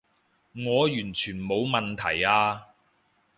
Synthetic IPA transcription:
ŋɔː˨˧jyː˨˩nt͡ʃʰyː˨˩nmo˨˧wmɐ˨nt̪ʰɐ˨˩jaː˧

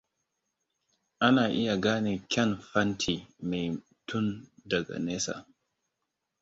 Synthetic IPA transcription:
ʔa˦naː˨ʔi˦ja˨ɡaː˦ni˨kʲɛ˦nfa˦ntʰi˨mɛ˨j | tʰu˦nda˨ɡa̰˨nɛː˦sa̰˨

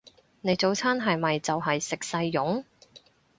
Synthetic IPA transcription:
ne˨˧jt͡so˨˥wt͡sʰaː˥nɦɐ˨jmɐ˨jt͡sɐ˨wɦɐ˨jsɪ˨k̚sɐ˧jːʊ˨˥ŋ

